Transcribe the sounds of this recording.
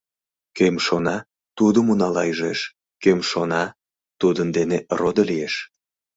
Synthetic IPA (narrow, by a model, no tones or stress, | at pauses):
kemʃonɑ | t̪ud̪əmunɑlɑjʒeʃ | kømʃonɑ | t̪ud̪ənd̪enerod̪olijeʃ